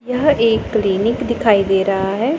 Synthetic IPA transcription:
jaɦeːkːliːnɪkd̪ɪkʰaːid̪eːɾɐɦaɦɛː

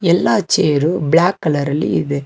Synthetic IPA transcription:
ɛlːaːt͡ʃeːɾublaːkːɐlɐɾɐlḭɪðɯ

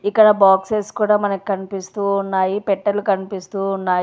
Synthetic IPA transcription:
ikːɐɽɐbaːkseːskuːɽaːmɐnɐki̥kɐnipist̪uːnːaːjipɛʈːɐɾlukɐnipist̪uːnːaː

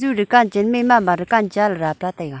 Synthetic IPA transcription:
urəkːaɲd͡ʑəmemamaɾəkaɲd͡ʑalrapat̪aja

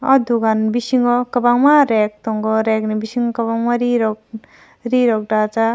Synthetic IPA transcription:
ɔd̪uɡanbisiŋɡɔkɐbaŋmaɾek̚t̪ɔŋɡɔɾeknibisiŋɡɔkɐbaŋmaɾiɾɔk̚ | ɾiɾɔk̚ɖat͡sa

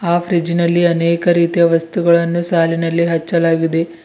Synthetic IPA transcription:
aːfʰɾid͡ʒinɐlːiɐnɛːkɐɾiːt̪ijɐʋɐst̪uɡɐɭɐnːusaːlinɐlːiɦɐt͡ʃːɐlaːɡid̪e̞

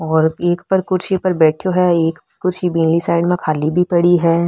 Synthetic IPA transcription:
ɔːɾeːkpɐɾkʊɾt͡ʃʰipɐɾbɛːʈʰjoɦɛeːkɾkʊɾt͡ʃʰibĩːnlisaːɪɖmẽkʰaːlibʱipɐɽiɦɛː

